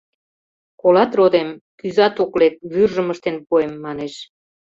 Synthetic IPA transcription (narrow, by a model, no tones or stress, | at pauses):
kolɑt̪rod̪emkyzɑt̪oklek̚βyrʒəməʃt̪enpoemːɑneʃ